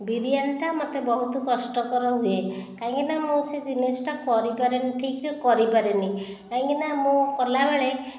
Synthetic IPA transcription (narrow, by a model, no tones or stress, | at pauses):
biɾijanʈamɔt̪ebɔɦut̪ɔkɔsʈɔkɔɾɔɦuekaɦĩŋkinamũsed͡ʒinisɔ̥ʈakɔɾipaɾeniʈʰikɾekɔɾipaɾeni | kaɦĩŋkinamũkɔlabeɭe